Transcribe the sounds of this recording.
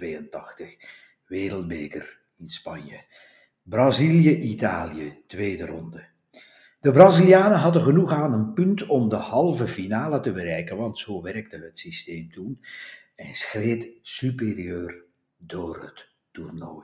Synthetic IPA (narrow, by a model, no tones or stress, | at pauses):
ʋeːjəntɑxtəx | ʋeːɾəlˠd̚beːkər | ɪnspɑnjə | brɑziljəʔitaːlijətʋeːdərɔ̰ndə | d̥əbraziljaːnəɦɑdəɣənuχaːnənpɵntɔmdəhɑlˠvəfinaːlətəbəɾɛjkənʋɑntsoːwʋɛrk̚təɦətsisteːmtun | ɛnsxreːtsyperiøːr | doːrɦə̰tː | urno̰ːj